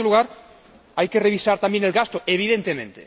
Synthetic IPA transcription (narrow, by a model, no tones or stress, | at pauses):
luɣaɾ | ajkereβ̞isaɾt̪ambjenelɣast̪oeβ̞iðent̪emẽnt̪e